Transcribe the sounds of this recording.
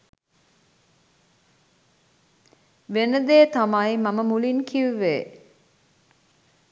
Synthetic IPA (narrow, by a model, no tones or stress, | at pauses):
ʋenəd̪eːt̪amajmaməmulinkʰiuʋḛː